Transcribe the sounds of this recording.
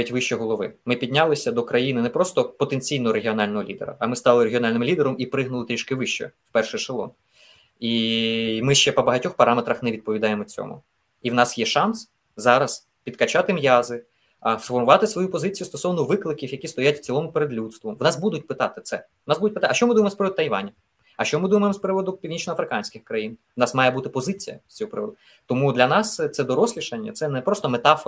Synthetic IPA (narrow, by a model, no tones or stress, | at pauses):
itʲʋɪʃt͡ʃɛɦɔlˠɔʋɪ̰mɪpʲid̪ʲnʲalˠɪsʲɐd̪ɔkɾɐjinɪnɛpɾɔst̪ɔpɔt̪enʲt͡sʲijnɔɦɔɾeɦʲiɔnɑlʲnɔɦɔlʲḭd̪ḛɾɐ̰ɐmɪst̪ɑlˠɪɾeɦʲiɔnɑlʲnɪmlʲid̪eɾɔmipɾɪɦnʊlˠɪt̪ɾʲiʃkɪʋɪʃt͡ʃɛ̰wpɛrʃɛʃelˠɔ̰n | imɪʃt͡ʃɛpɔbɐɦɐtʲɔxpɐɾʔɑmet̪ɾɐxnɛʋʲid̪̚pɔʋʲid̪ɑjemɔt͡sʲɔ̰mʊ̰ | iwnɑsjɛʃɑns | zɑɾɐs | pʲid̪kɐt͡ʃɑt̪ɪmjɑzɪ | sfɔrmʊʋɑt̪ɪsʋɔjupɔzɪt͡sʲijʊst̪ɔsɔwnɔʋɪklˠɪkʲiwjɐkʲist̪ɔjatʲft͡sʲilˠɔmʊpeɾed̪lʲut̪st̪ʋʊʋnɑsbud̪ʊtʲpɪt̪ɑt̪ɪt̪sɛ | nɑsbud̪ʊt̚ʲpɪt̪ɑɐʃt͡ʃɔmɪd̪umemɔspɾɪʋɔd̪ʊt̪ɐjʋɑ̰nʲɐ | ɐʃt͡ʃɔmɪd̪umɐjemspɾɪʋɔd̪ʊpʲiwnʲit͡ʃnɔɐfɾɪkɑnʲsʲkʲɪxkɾɐjinʋnɑsmɑjɛbut̪ɪpɔzɪt͡sʲijɐ̰sʲt͡sʲɔɦɔpɾɪʋɔ̰d̪ʊ | t̪ɔmud̪lʲɐnɑst̪sɛd̪ɔɾɔsʲlʲiʃɐnʲːɐ̰t̪sɛnɛpɾɔst̪ɔmet̪ɑfɔ